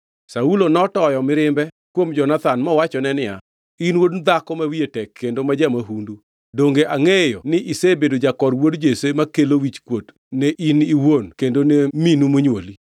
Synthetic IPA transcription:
saulonɔtɔjɔmɪɾɪmbɛ | kwomd͡ʒɔnat̪anmɔwat͡ʃɔnɛnɪja | inwodnd̪akɔmawietɛkʰːendomad͡ʒamaɦundu | doŋɡeʔaŋejɔnɪʔisebedod͡ʒakɔɾwodd͡ʒesemakelowit͡ʃkwot | nɛʔiniwonkendoneminumoɲwoli

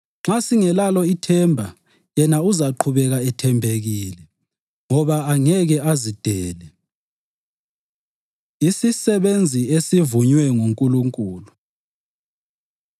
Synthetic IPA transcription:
ŋ͡ǁasiŋɛlalɔitʰɛmbʱa | jɛnauzaǃʰuβɛɣaɛtʰɛmbʱeɣilɛ | ŋɔβaːŋɛɣɛazid̥ʱɛːlɛ | isisɛβend͡zʱiesivuɲwɛŋuŋkʼuluŋkʼuːlu

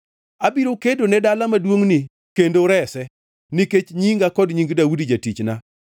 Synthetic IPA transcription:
abiɾokedonɛdalamadwoŋni | kendoɾɛsɛ | niket͡ʃɲiŋɡakɔdɲiŋɡdawudid͡ʒatit͡ʃna

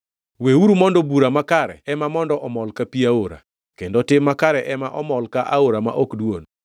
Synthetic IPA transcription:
weuɾumɔndɔbuɾamakaɾɛ̰ɛmamɔndɔʔɔmɔlkapiaoɾa̰ | kendotɪmːakaɾɛʔɛmaʔɔmɔlkaʔaoɾama̰ʔokdwon

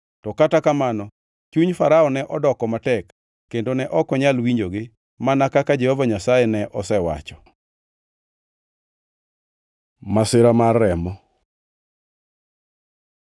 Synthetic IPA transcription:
tɔkatakamanɔ | t͡ʃuɲfaɾaɔnɛʔɔdɔkɔmatɛkː | endonɛʔɔkɔɲalwiɲd͡ʒoɡɪ | manakakad͡ʒɛhɔvaɲasajɛnɛʔɔsɛwa̰t͡ʃɔ̥ | masɪɾamarːɛmɔ

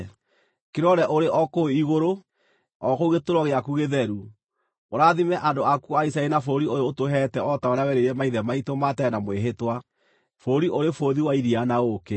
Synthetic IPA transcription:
keɾɔɾɛʔoɾeʔɔkoiɣoɾo | ɔkouɣetoɾwɔɣeakuɣeðɛɾu | oɾaðimɛʔandoakuaisaɛinafoɾioɾeotoɦɛtɛɔtaoɾeawɛɾeɾɛmaiðɛmaitomatɛnamweɦetwa | foɾiʔoɾefoðiwaiɾianaoke

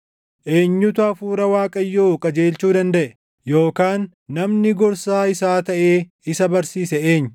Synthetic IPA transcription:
ʔe̞ːɲːʊt̪ʊɐfuːɾɐwaːkʼɐjːoːkʼɐd͡ʒe̞ːlt͡ʃuːd̪ɐnd̪ɐʔɛ | jo̞ːkaːnː | ɐmnɪɡɔɾsaːɪsaːt̪ɐʔeː | ɪsɐbɐɾsiːsɛeːɲː

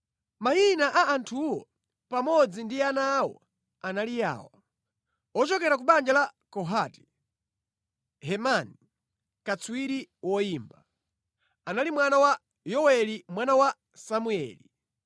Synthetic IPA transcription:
majinaʔaantʰuwɔ | pamɔd͡zindianawɔ̰ | analija̰ːwa | ɔt͡ʃɔkɛɾak̬uɓand͡ʒalakɔɦati̥ | hɛmani | kat͡suwiɾiwɔiːmba | analimwanawa | jɔwɛlimwanawa | samuɛ̰li

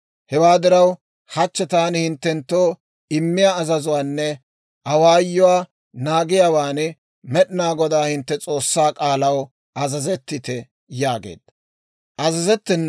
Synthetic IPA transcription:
hɛwaːd̪ɪɾɐw | hɐt͡ʃːɛt̪aːnɪhɪnt̪ːɛnt̪ːo̞ː | ɪmːɪjaːzɐzʊwaːnːɛ | ɐwaːjːʊwaː | naːɡɪjaːwaːn | mɛɗɪnaːɡɔd̪aːhɪnt̪ːɛt͡sʼo̞ːsːaːkʼaːlɐw | ʔɐzɐzɛt̪ːɪt̪ɛ | jaːɡḛːd̪̥ɐ | ʔɐzɐzɛt̪ːɛnː

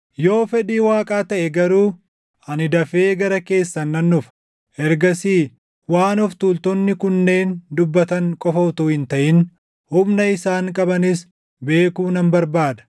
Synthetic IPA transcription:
jo̞ːfɛᶑiːwaːkʼaːt̪ɐʔɛɡɐɾuː | ɐnɪd̪ɐfe̞ːɡɐɾɐke̞ːsːɐnːɐnːʊf | ʔɛɾɡɐsiː | waːnɔft̪ult̪ɔnːɪkʊnːe̞ːnd̪ʊbːɐt̪ɐŋkʼɔfɐt̪uːhɪnt̪ɐʔɪn | hʊmnɐɪsaːŋkʼɐbɐnɪs | be̞ːkuːnɐmbɐɾbaːd̪ɐ̥

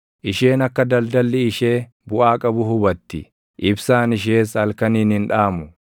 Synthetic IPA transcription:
ʔɪʃeːnɐkːɐd̪ɐld̪ɐlːɪːʃe̞ː | bʊʔaːkʼɐbʊhʊbɐt̪ːɪ | ʔɪbsaːnɪʃ̬e̞ːshɐlkɐniːnɪnᶑaːmʊ

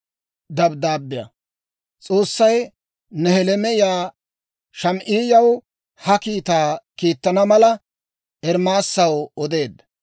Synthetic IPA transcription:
d̪ɐbd̪aːbːɪjɐ̰ | t͡sʼo̞ːsːɐj | nɛhɛlɛmɛjaː | ʃɐmʔiːjɐw | hɐkiːt̪aːkiːt̪ːɐnɐmɐlɐ | ɛɾmaːsːɐwɔd̪e̞ːd̪ːɐ

